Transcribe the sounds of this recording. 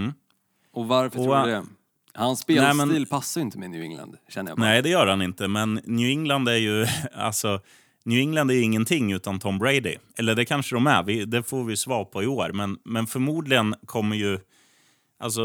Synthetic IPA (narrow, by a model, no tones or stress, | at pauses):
ɔvaɾfəɔɛ | hansːpenːɛːmɛniːlpʰasːaɾjʏɪnt̪əmɛnjʉ̰ːɪ̰ŋla̰nd̪ɕɛnːəja̰nɛɪd̪ɛjœːɾhanɪnt̪əmɛnːjʉːɪŋland̪æɾjɵa̰lsɔ | njʉːɪŋland̪æɾjɵɪŋːənt̪ʰɪŋːʉ̟ːt̪ant̪ʰɔmːbɾeɪd̪ɪ̰ʔɛlːəɖɛkʰanʂəd̪ɔmæ̰vɪd̪ɛfoːɾvɪjɵsvɑːɾpʰɔɪoːɾmɛnmɛnfœɾmuːd̪lɪɡənkʰɔmːəjɵ | ʔa̰ls̬ɔ